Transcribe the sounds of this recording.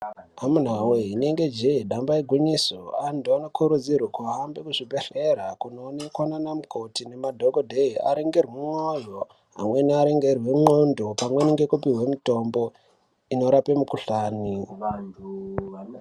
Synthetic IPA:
amun̤aweɦine̞ŋɡe̞d͡ʒeiɗambaiɡʱwuɲisoandʱoanokʰuɾud͡zirwakuɦambekuʐibʱeɬe̞ɾakuno̞ːnekwananamuko̞tine̞madʱokodʱeia̰ɾiŋɡerwumojo | ɦa̰mwe̞niaɾeŋɡerwe̞ŋ͡ǃo̞ndo̞pamwe̞niŋɡe̞kupiɦwemito̞mbo̞ | ino̞ɾape̞mukuɬaːni

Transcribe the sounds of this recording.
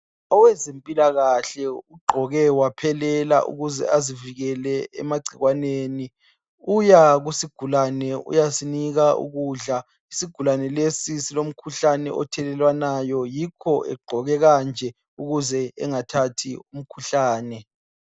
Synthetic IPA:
ɔwɛzempʼilaɣaɬɛuɡ͡ǃʱɔɣɛwapʰɛlɛla̰ʔṵɣuzɛ̰aziviɣɛlɛɛ̰maɡ͡ǀʱiɣwaneːni | ujaɣusiɡ̥ʱulanɛṵjasiniɣaṵɣuɮa | isiɡ̥ʱulanɛlesisilom̩kʰuɬanɛ̰ʔɔ̰tʰɛlɛlwanajɔjikʰɔʔɛ̰ɡ͡ǃʱɔɣɛɣand͡ʒʱɛ | uɣuzɛɛ̰ŋatʰatʰium̩kʰuɬaːnɛ

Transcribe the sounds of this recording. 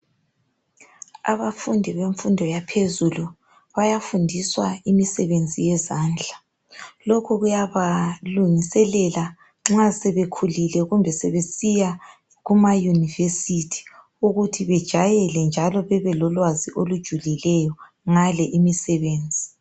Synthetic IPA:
a̰βafundʱiβeɱfundʱɔjapʰezulu | βajafundʱiswaimisɛβend͡zʱijɛzaːnd͡ɮʱa | lɔkʰɔɣujaβaluŋisɛlɛla | ŋ͡ǁasɛβekʰulilɛɣumbʱɛsɛβesija | ɣumajunivesitʰi̥ | uɣutʰiβɛd̥ʒ̥ʱajɛlɛnd͡ʒʱalɔβɛβɛlɔlwaziʔolud̥ʒ̥ʱulilɛjɔ | ŋalɛʔimisɛβeːnd͡zʱi

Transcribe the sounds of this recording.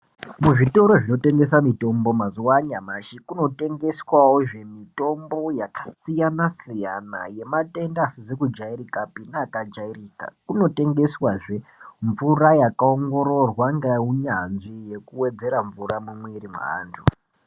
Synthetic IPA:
muʐito̞ɾo̞ʐino̞te̞ŋɡe̞samito̞mbo̞mazuwaɲamaʃikuno̞te̞ŋɡe̞swawoʐe̞mito̞mbo̞jakḁt͡sijanasija̰na̰je̞mate̞ndaːsizekud͡ʒaiɾikapinakad͡ʒairiːka̰kuno̞te̞ŋɡe̞swaʐeɱvurajakaoŋɡo̞ɾo̞rwaŋɡauɲanʐije̞kuwe̞d͡ze̞ɾaɱvuramumweɾimw̰ɦa̰ːntʰu

